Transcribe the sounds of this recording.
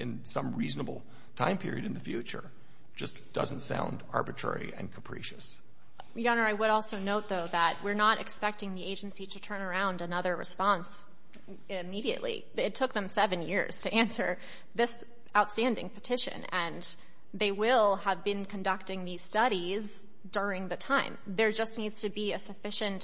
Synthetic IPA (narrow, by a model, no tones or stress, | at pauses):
ɨ̃nsʌ̃mɹiznəbl̩ˠ | tʰã̰ɪ̃mpʰɪ̰ɹḭɨɾɨ̃n̩ðɨfjʉt͡ʃə̰˞ | d̥d͡ʒ̥ʌs | d̥ʌz̃n̩tsã̰ʊ̃ndɑ̰ɹbɨtʰɹ̥ɛ̰ɹḭɨ̰̃nkʰəpʰɹ̥ḭʃɨs | jɑnə˞aɪwəɾɔlˠsoʊnoʊt̪̚ðoʊðət̚wɪɹnəɾɨ̰kspɛk̚tɪ̃ŋðieɪd͡ʒɨ̃n̩siɾɨtʰɜ̃˞nə˞ãʊ̃ndɨnʌðə˞ɹɨ̰spɑ̃ns | ɪmiɾiɨ̰ʔlḭ | ɪtʰːʊk̚ðɨ̃msɛvɨ̃njɪ̰ɹz̥tʰɨʔæ̃nsə̰˞ | ðɪs | aʊtstæ̃ndɪ̰̃ŋpʰɨtʰɪʃɨ̰̃nɨ̃n | ðeɪwɪlˠəvbɨ̃nkʰɨ̃n̩dʌk̚tɪ̃ŋðiz̥stʌɾiz | dʊɹɪ̃ŋðɨtʰãɪ̃m | ðə˞d͡ʒʌsⁿnidz̥tʰɨbiɨsɨfɪʃɨ̃nt